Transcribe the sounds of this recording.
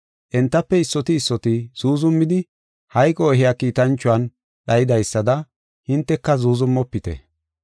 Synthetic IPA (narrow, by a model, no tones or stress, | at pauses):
ʔɛnt̪ːɐpːɛɪsːɔt̪ɪːsːɔt̪ɪz̥uːzʊmːɪd̪ɪ | hɐjkʼɔɔɦɪjakiːt̪ɐnt͡ʃːʊɐn | ɗɐjɪd̪ɐjsːɐd̪ɐ | hɪnt̪ːɛkːɐzuːzʊmːɔpːɪt̪ɛ̰